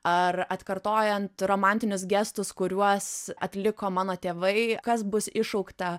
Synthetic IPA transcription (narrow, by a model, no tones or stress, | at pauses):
ɐɾɐt̪kɐɾt̪oːjɛnt̪ɾoːmɑnʲt̪ʲɪnʲʊs̬ɡʲɛst̪ʊskʊɾʲuɔsɐt̪ʲlʲɪkoːmɑːnoːt̪ʲeːʋɐɪkɐsbʊsɪʃɐʊkt̪ɐ